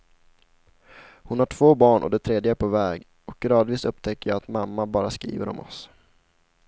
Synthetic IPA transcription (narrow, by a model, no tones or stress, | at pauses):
hʊnhaʈʰv̥oːbɑːɳʔɔ̰d̪ɛt̪ʰɾeːd̪jəæpʰovɛːɡ | ɔk̚ɡɾɑːd̪viːsɵpːt̪ʰɛkːəjɑat̪mamːabɑːɾaskɾḭːvə̰ɾɔ̰mɔ̰s